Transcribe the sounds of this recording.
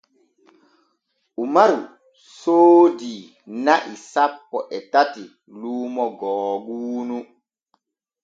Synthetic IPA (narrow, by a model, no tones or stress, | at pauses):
ʔumaɾu | soːdi | naʔisapːɔʔɛtati | luːmɔɡɔːɡuːnu